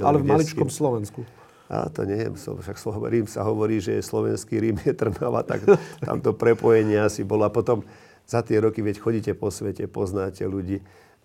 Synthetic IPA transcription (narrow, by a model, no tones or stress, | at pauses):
alɛvmalit͡ʃkɔmslɔʋɛnsku | ʔa̰t̪ɔ̰ɲɛjɛ̰msɔ̰ʃaksɔ̰ɾiːmsa̰ɦɔʋɔɾiːʒɛjɛslɔʋɛ̰nskiɾimjɛt̪r̩maʋa̰t̪a̰kt̪a̰mt̪ɔpɾɛpɔjɛɲɪɛasibɔlɔapɔt̪ɔm | z̥at̪ɪɛɾɔkiʋɛcxɔɟicɛpɔsʋɛcɛpɔznaːcɛluɟiː